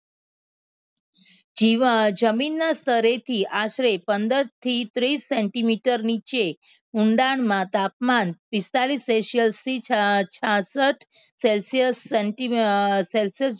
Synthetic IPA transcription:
id͡ʒəminːast̪ʰəɾet̪ʰiʔaʃɾepənd̪əɾt̪ʰit̪ɾisːeɳʈimiʈəɾnit͡ʃe | uɳɖaɳmãt̪ap̚manpist̪aliseʃiəlst̪it͡ʃʰasəʈʰselsiəseʈiselsiəs

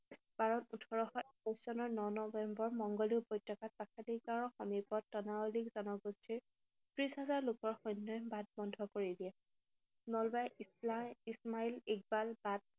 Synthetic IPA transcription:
b̥aɹɔtutʰɔɹɔxɔɛkɔjszɔnɔɹnɔnɔbɛmbɔɹmɔŋɡɔliʊbɔjtɔkat̚pakʰadikɡaɹɔxɔmipɔtːɔnaolikzɔnɔɡustʰiɹ | tɹisɦazaɹlʊkɔɹxɔjnːɔjbat̚bɔndʱɔkoɹidiɛ | nɔlbaj | ismailik̚balbad̚

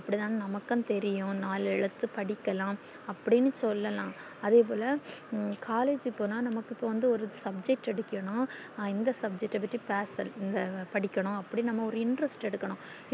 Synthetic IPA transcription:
ɐpːɐɽit̪aːnɯnɐmɐkːɐ̃ːt̪ɛɾɪjʊ̃naːlɪɭɐt̪ːɯpɐɽɪkːɐlãː | ɐpːɐɽɪnːɯsɔlːɐlãː | ɐðeːp̬oːlɐkʰaːleːd͡ʒɪpːoːnaːnɐmɐkːɪpːoːʋɐnd̪ɯɔɾɯsɐb̚d͡ʒɛk̚ʈɛɽɯkːɐɳʊ̃ | ɪnd̪ɐsɐb̚d͡ʒɛk̚ʈːɐpːɐʈːripaːsɐlɪnd̪ɐpɐɽɪkʲːɐɳʊ̃ɐpːɐɽinɐmːɐɔɾɯɪɳɖɾɐsʈɛɽɯkːɐɳʊ̃

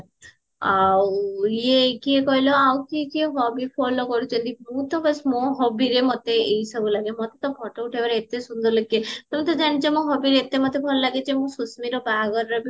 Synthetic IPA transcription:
awekiɦekɔɦilɔawkiekieɦɔbipʰɔlokɔɾut͡ʃʰɔnt̪imũt̪ɔbɔsmɔ̃ɦɔbiɾemɔt̪eejsɔbulaɡemɔt̪et̪ɔbʱɔʈɔuʈʰebaɾeet̪esund̪ʱɔɾlekiet̪ɔmit̪ɔd͡ʒañit͡ʃɔmɔ̃ɦɔbiɾeet̪emɔt̪ebʱɔɾolaɡet͡ʃemũsusmiɾɔbaɡɔɾɾe

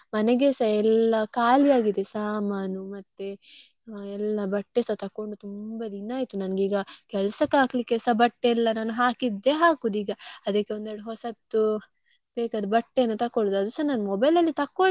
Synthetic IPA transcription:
mɐnɛɡesɐɛlːɐkaːlijaːɡid̪e̞saːmaːnumɐt̪ːe | ɛlːɐbɐʈːesɐt̪ɐkːo̞ɳɖut̪umbɐd̪inːaːjt̪unɐnɐɡiːɡɐkɛlɐsɐkaːklikːesɐbɐʈːeɛlːɐnaːnuɦaːkid̪ːe̞ɦaːkud̪iːɡɐɐd̪ɐkːeond̪ɛɾɽuɦɔsɐt̪ːu | beːkɐd̪ubɐʈːenːut̪ɐkːoɭud̪ɐd̪usɐnaːnumɔbɐjlɐlːit̪ɐkːo

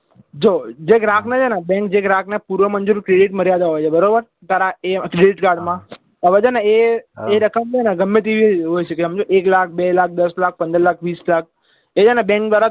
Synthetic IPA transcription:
d͡ʒod͡ʒeɡɾãkʰned͡ʒʰenabɛ̃ŋkd͡ʒeɡɾãknepuɾʋəmənd͡ʒuɾkɾeɽiʈməɾjad̪aɦojt͡ʃʰebəɾobəɾ | t̪aɾaekɾeɖiʈkaɾɖmã | əʋed͡ʒenaeeɾəkəmt͡ʃʰenaɡəmːet̪iʋiɦojt͡ʃʰekeɦəmd͡ʒoʔeklak̚ʰbelak̚d̪əslak̚pənd̪əɾlakʰʋislak̚ʰ | ed͡ʒenebɛ̃ŋkd̪ʋaɾa

